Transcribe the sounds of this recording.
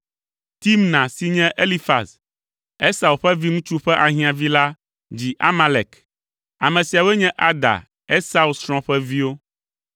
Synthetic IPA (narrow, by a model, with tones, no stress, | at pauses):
t̪i˦mnã˨si˨ɲɛ̃˦ʔe˦li˦fa̰˨s | ɛ˦sa˨u˨ɸɛ˦vi˦ŋũ˦t͡ʃu˦ɸɛ˦ʔa˨ɦĩ˦ã˨vi˦la˦ | d͡ʑi˨ʔa˦ma˦lɛ˨k | a˨mɛ̃˨si˨a˨wɛ˦ɲɛ̃˦ʔa˦d̪a̰˨ | ɛ˦sa˦u˦sɾɔ̃˦ɸɛ˦vi˦wo˦